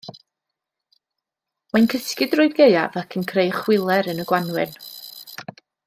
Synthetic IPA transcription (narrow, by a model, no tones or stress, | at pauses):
mankʰəskɪdrʊɨɡeja̰ðakʰənkʰrejχwɪlˠɛɾənəɡ̥wanwɪn